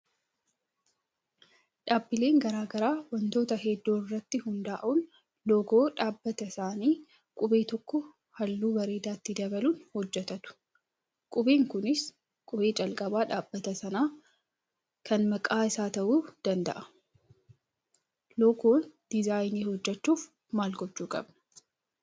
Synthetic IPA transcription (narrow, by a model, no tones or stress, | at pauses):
ᶑaːbːɪle̞ːŋɡɐɾaːɡɐɾaːwɐnt̪o̞ːt̪ɐɦɛd̪ːoːɪrːɐt̪ːɪhʊnd̪aːʔuːn | lɔɡoːᶑaːbːɐt̪ɐɪsaːniː | kʼʊbe̞ːt̪ɔkːɔ | hɐlːuːbɐɾe̞ːd̪aːt̪ːɪd̪ɐbɐluːnhɔd͡ʒːɛt̪ɐt̪ʊ̥ | kʼʊbeːŋkʊnɪs | kʼʊbe̞ːt͡ʃʼɐlkʼɐbaːᶑaːbːɐt̪ɐsɐnaː | kɐnmɐkʼaːɪsaːt̪ɐʔuːd̪̥ɐnd̪ɐ̰ʔɐ̥ | lɔɡoːnd̪̥ɪzaːjniːhɔd͡ʒːɛt͡ʃːuːf | maːlɡɔt͡ʃːuːkʼɐ̰bnɐ̥